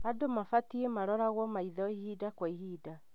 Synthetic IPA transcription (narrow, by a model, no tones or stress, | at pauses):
adomafatiemaɾɔɾaɣwɔmaiðɔihidakwaiɦiːda